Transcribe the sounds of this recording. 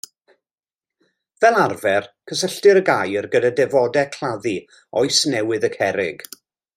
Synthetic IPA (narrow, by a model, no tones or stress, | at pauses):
vɛlˠarvɛrkʰəsəɬtɪɾəɡajərɡədadɛvɔdɛkʰl̥ˠaði | ɔɨjsnɛwɨðəkʰɛɾɪɡ̥